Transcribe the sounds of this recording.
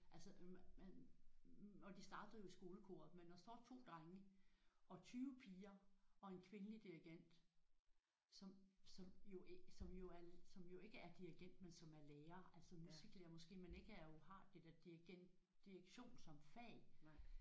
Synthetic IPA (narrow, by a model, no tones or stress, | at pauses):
ʔælsə | ɒ̽d̥isd̥ɑ̈ːd̥ð̩ˠjo̝isɡ̥o̝ːləkʰo̝̰ːɐ̰ð̩ˠmenːɒsd̥ɒ̰ːt͡sʰo̝̰ːd̥ʁaŋəɒ̽t͡sʰyːʊəpʰiːɐɒ̽e̝nkʰʋe̝nəlid̥iʁiɡ̥en̰d̥ | sɒ̽msɒ̽mjo̝ʔsɒ̽mjo̝æɐsɒ̽mjo̝e̝ɡ̥əæɐd̥iʁiɡ̥en̰d̥mensɒ̽mæɐleːɐːʔælsəmusiɡ̥leːɐmɔ̽sɡ̥e̝̰ːmene̝ɡ̥əæɐjohɑ̈d̥ed̥eɐd̥iɡ̥ | d̥ieɡ̥ɕo̝̰ːnsɒ̽mfɛ̰ː